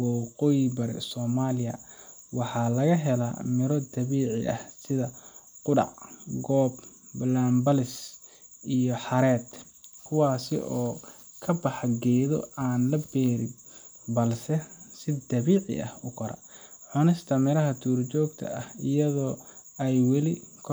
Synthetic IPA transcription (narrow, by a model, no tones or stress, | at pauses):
wɑqɔːjbɐɾɛ̰sɔːmaːlɪjɐ̰ | wɑħɑːlɐɣɐɦɛla̰ːmɪɾɔd̪ɐβiːʕɪʔɐ̰hsɪðɐqʊɖɑ̰ʕɡɔːb | laːmbɐlɪs | ijɔħɑɾɛːt̪ | kʰʊwɑːsɪ̰ʔɔː | kʰɐbɑħɐɡɛjðɔ̰aːnlɐbɛːɾɪ | bɐlsɛsɪd̪ɐβiːʕɪ̰ʔɐ̰hʊkʰɐɾɐ̰ʕʊnɪst̪ʰɐmɪɾɐɦɐt̪ʰuːrt͡ʃɔːɡt̪ʰɐ̰ɐhɪjɐðɔːɛjwɛlɪkʰ